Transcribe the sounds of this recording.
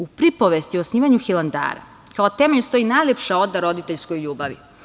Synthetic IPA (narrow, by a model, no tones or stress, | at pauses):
upɾipoʋest̪iosniːʋaɲuxilˠand̪a̰ːɾa̰ | kaot̪emeust̪o̞inajlʲepʃao̞d̪aɾo̞d̪it̪eʎskojʎuːbaʋḭ